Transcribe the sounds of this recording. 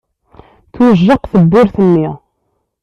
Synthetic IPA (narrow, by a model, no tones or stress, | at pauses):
θwəʒːəqθəbːʊɾθənːi